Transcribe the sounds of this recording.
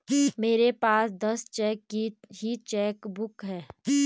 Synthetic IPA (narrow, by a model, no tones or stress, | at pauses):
meːɾepaːsd̪ɐst͡ʃɛːkːiɦit͡ʃɛːkbʊkɦɛː